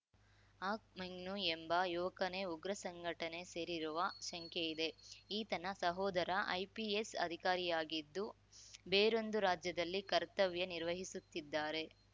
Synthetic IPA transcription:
aːk̚mɐŋnuembɐjuːʋɐkɐne̞uɡɾɐsɐŋɡʱɐʈɐne̞se̞ːɾiɾuʋɐʃɐŋkeid̪e̞iːt̪ɐnɐsɐɦɔːd̪ɐɾɐʔɐ̰jpiesɐ̰d̪ʱikaːɾijaːɡid̪ːu | beːɾo̞nd̪uɾaːd͡ʒjɐd̪ɐlːikɐɾt̪ɐʋjɐniɾʋɐɦisut̪ːid̪ːaːɾe̞

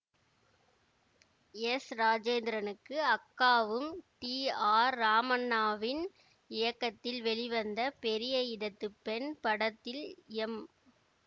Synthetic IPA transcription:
ɛsɾaːd͡ʒeːnd̪ɪɾɐnɯkːɯɐkːaːʋɯmʈiːaːɾːaːmɐnːaːʋɪn | ɪjɐkːɐt̪ːɪlʋɛɭɪʋɐnd̪ɐpɛɾɪjɐjɪɽɐt̪ːɯpːɛnpɐɽɐt̪ːɪlɛm

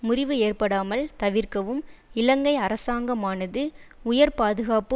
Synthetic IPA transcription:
mʊrɪʋɯeːrpɐɽaːmɐlt̪ɐʋɪrkɐʋɯmɪlɐŋɡɐɪɐɾɐsaːŋɡɐmaːnɐðɯʊjɐɾpaːðɯɣaːpɯ

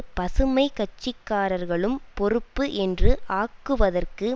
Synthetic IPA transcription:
pɐsɯmɐɪkɐt͡ʃːɪkːaːɾɐɾɣɐɭɯmpɔɾɯpːɯʔɛndrɯʔʔaːkːɯʋɐðɐrkɯ

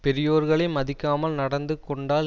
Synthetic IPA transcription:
pɛɾɪjoːɾɣɐɭɐɪmɐðɪkːaːmɐlnɐɽɐnd̪ɯkːɔɳɖaːl

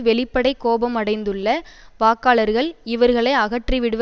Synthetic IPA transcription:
ʋɛɭɪpːɐɽɐɪkːoːbɐmɐɽɐɪnd̪ɯɭːɐʋaːkːaːɭɐɾɣɐɭɪʋɐɾɣɐɭɐɪɐɣɐʈriʋɪɽɯʋ

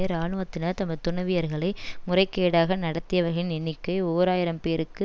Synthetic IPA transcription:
jɐɾaːɳɯʋɐt̪ːɪnɐɾt̪ɐmːɐðt̪ːʊɳɐʋɪjɐɾɣɐɭɐɪmʊrɐɪkːeːɽaːɣɐnɐɽɐt̪ːɪjɐʋɐɾɣɐɭɪnɛnːɪkːɐɪoːɾaːjɪɾɐmpeːɾɯkːɯ

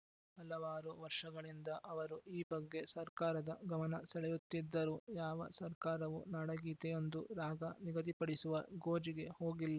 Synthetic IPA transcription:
ɐlɐʋaːɾuʋɐɾʂɐɡɐɭind̪ɐʔɐʋɐɾuʔiːbɐɡːe̞sɐɾkaːɾɐd̪ɐɡɐmɐnɐsɛɭɛjut̪ːid̪ːɐɾuːjaːʋɐ̰sɐɾkaːɾɐʋunɐɽɐɡiːt̪ɛjo̞nd̪uɾaːɡɐniɡɐt̪ipɐɽisuʋɐɡoːd͡ʒiɡe̞ho̞ːɡilːɐ

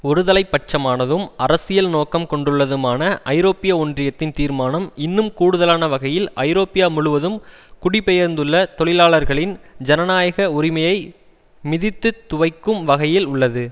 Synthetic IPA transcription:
ɔɾɯðɐlɐɪpːɐʈ̚t͡ʃːɐmaːnɐðɯmʔɐɾɐsɪjɐlnoːkɐmkɔɳɖɯɭːɐðɯmaːnɐʔɐɪɾoːpɪjaondrɪjɐt̪ːɪnt̪iːɾmaːnɐmɪnːɯmkuːɽʊðɐlaːnɐʋɐɣɐjɪlɐɪɾoːpɪjaːmʊɭʊʋɐðɯm | kʊɽɪpːɛjɐɾnd̪ɯɭːɐt̪ɔɭɪlaːɭɐɾɣɐɭɪnd͡ʒɛnɐnaːjɐɣɐʊɾɪmɐjɐɪ | mɪðɪt̪ːɯt̪ːʊʋɐɪkːɯmʋɐɣɐjɪlʊɭːɐðɯ

